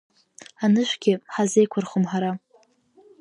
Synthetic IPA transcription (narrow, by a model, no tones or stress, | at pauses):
anɨʃʷɡʲɪħazejkʷʰʊrχəmħaɾa